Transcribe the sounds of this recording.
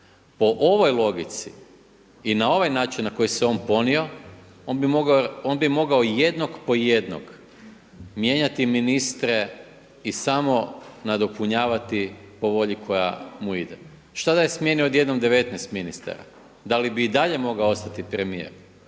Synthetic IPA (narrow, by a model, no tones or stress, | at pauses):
po̞ʔoʋo̞jlˠo̞ɡit̪sḭ | inao̞ʋajnaːt͡ʃinnako̞jiseo̞ːnpo̞nio̞ | onbimoɡao̞nbimo̞ɡaojed̪nokpo̞je̞d̪no̰ɡ | mje̞ɲat̪iminist̪ɾe̞ | isamo̞nad̪o̞puɲaːʋat̪ipo̞ʋo̞ʎikʰo̞ja̰muid̪ḛ | ʃt̪ad̪ajesmje̞nio̞d̪je̞d̪nomd̪e̞ʋe̞t̪nest̪minist̪a̰ɾa̰ | d̪alibiːd̪aʎe̞mo̞ɡaoo̞st̪at̪ipɾemije̞̰ɾ